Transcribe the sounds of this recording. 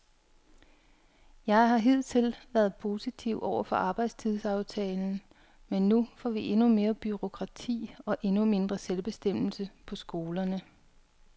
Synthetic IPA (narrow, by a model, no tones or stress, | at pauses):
jɑ̈ɪɦɑ̈ɦe̝ð̞̰ˠt͡sʰe̝lʋæɐð̩ˠpʰo̝ːsit͡sʰiʊʔɒʊ̰ɐfɒ̽ʔɑ̈ːb̥ɑ̈ɪd̥st͡sʰiðˠsɑ̈ʊt͡sʰɛːln̩ | menːufɒ̰ːʋiʔe̝nume̝ːɐb̥yʁo̝kʰʁɑ̈t͡sʰḭːɒ̽ʔe̝nume̝nd̥ʁɐselb̥e̝sd̥em̰l̩səpʰɒ̽sɡ̥o̝ːlɐnə